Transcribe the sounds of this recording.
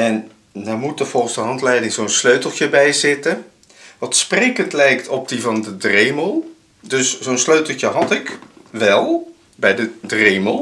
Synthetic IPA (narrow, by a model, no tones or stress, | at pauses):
ɛn | dɔmutəvɔlˠχənzdəɦɑntlɛjdɪŋzownsløɥtl̩ˠtjəbɛjzɪtə | ʋɑtsprɪkəntlɛjktʰɔp̚divɑndədreməlˠ | dɵszoːnsløɥtəl̩ˠtjəɦɑtɪkʋɛlˠ | bɛjdədrejməlˠ